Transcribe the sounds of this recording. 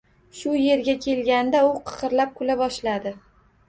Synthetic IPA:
ʃʊje̞ɾɡʲakʲʰe̞lɡʲand̪aʊqʰɨ̥qɨɾlap̚kʰʊlabɒʃlad̪ɪ

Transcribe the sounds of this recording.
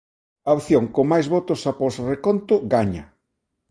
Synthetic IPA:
aowθjoŋkomajzβot̪ʊsapɔsrekont̪ʊɡaɲɐ

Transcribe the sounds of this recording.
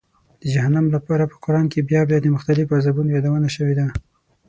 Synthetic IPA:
d̪̥əd͡ʒahanamlapɑɾapə̥qʊɾɑnkebjɑbjɑd̪əmʊxt̪alɪfazabunojɑd̪awənaʃəwed̪a

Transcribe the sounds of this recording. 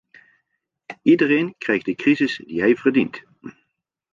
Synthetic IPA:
idərejnkrɛjχdəkrizɪsdiɦɛjvərdint

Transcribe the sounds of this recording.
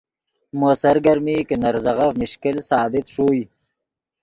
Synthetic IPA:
mosaɾɡaɾmikənaɾzaɣavmɪʃkɪlsɑːbɪt̪ʂuːj

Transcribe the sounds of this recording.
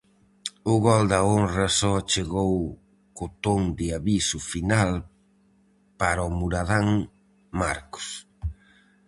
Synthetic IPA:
ʊɣɔld̪ɐonrɐsɔat͡ʃeɣow | kʊt̪oŋd̪ɪaβisʊfinal | paɾʊmuɾaðaŋ | maɾkʊ̥s

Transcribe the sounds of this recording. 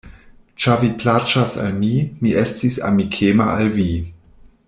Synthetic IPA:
t͡ʃaviplat͡ʃasa̰lmimiʔestisa̰mikʰemaʔalvi

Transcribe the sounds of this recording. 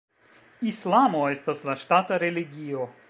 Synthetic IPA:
islˠamost̪ɐslaʃt̪at̪ɐɾelʲiɡʲijo

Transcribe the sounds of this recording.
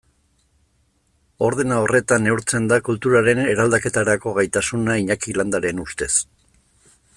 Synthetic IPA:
o̞ɾð̞e̞nao̞re̞t̪ane̞uɾt͡se̞nd̪akult̪uɾaɾe̞ne̞ɾald̪ake̞t̪aɾako̞ɣajt̪asunaiɲakiland̪aɾe̞nust̪e̞s

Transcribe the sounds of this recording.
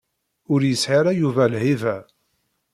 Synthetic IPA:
ʊɾjəsħiɾæjuvælhivæ

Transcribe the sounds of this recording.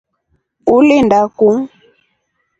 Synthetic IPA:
ulindakuŋ

